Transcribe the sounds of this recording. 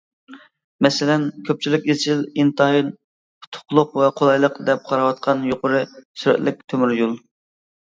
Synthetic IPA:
mɛsɪlɛnkʲʰøp̚t͡ʃʰilɪkʲet͡ʃʰɪlint̪ʰɑin | pʰʊ̥t̪ʰʊ̥qlˠʊqvɛqʰolˠɑjlˠəqd̪ɛp̚qʰɑɾɑwɑt̪̚qʰɑnjoqʰʊɾɨsyɾɛ̰t̪lɪk̚ʲt̪ʰømyɾjulˠ

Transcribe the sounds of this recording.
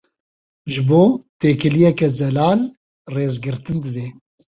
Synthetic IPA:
ʒɨboːt̪eːkɨlijɛkɛzɛlaːl | reːzɡɨɾt̪ɨnd̪ɨd̪eː

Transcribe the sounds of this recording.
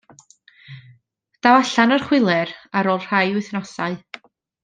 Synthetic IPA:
d̥awaɬanərχwɪlˠɛɾaɾoːlˠr̥ajʊθnɔsaɨ

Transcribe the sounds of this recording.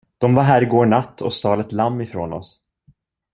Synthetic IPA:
d̪̥ɔmvaɾɦæːɾɪɡoːɳat̪ʰːɔ̰st̪ɑːlɛt̪lamːɪfɾoːnɔ̰s

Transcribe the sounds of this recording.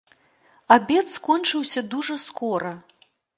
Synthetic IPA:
abʲɛt̪skɔnt͡ʂɨwsʲɐd̪uʐɐskɔɾɐ

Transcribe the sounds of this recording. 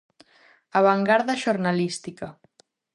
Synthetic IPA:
aβaŋɡaɾðaʒoɾnalist̪ika

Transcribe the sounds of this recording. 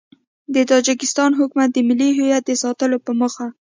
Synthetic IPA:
d̪ət̪ɑd͡ʒɪkɪst̪ɑnɦʊkmat̪̚d̪əmɪliɦejat̪̚d̪əsɑt̪əlopəməxa

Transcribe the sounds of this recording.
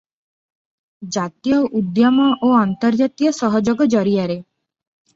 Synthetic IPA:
d͡ʒat̪ijɔʔud̪jɔmɔʔoant̪ɔɾd͡ʒat̪ijɔsɔɦɔd͡ʒɔɡɔd͡ʒɔɾiaɾe

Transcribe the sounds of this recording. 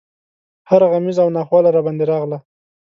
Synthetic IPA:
haɾɣamizawnɑxwɑlaɾɑbɑnd̪eɾɑɣla

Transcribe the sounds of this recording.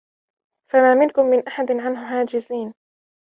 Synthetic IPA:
famaːmɪnkʊmːɪnʔaħad̪nʕanɦʊɦaːd͡ʒɪziːn

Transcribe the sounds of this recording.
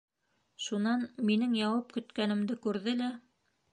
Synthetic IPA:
ʃunɑnminɘŋjɑwɑp̚kɵ̆t̪kænɘ̆md̪ɘkʉɾðɘlæ

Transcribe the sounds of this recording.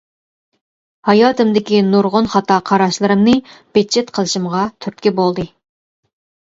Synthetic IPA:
hɑjɑːt̪ɨmd̪ɪkʲinuɾʁʊnχɑt̪ɑqʰɑɾɑʃlˠɨɾɨmnɨb̥et͡ʃʰːet̪qʰəlˠɨʃɨmʁɑt̪ʰyɾt̪̚kʲibolˠd̪ɨ

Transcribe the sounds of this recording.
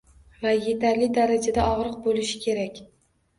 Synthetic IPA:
vaje̞t̪ʰaɾlɪd̪aɾad͡ʒad̪aɒʁɾɨq̚bolɪʃɪ̥kʲʰe̞ɾakʲ

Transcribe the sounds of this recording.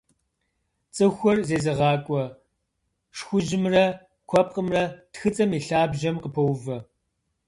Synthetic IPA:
t͡sʼɨxʷɔrzeːzɐʁɑːkʷʼɔ | ʂxʷʊʒɪmrɐ | kʷʰɔp̚ʼqʼəmrɐtxɨt͡sʼɐmiːɬaːbʒɐmqəpʰɐwvɐ

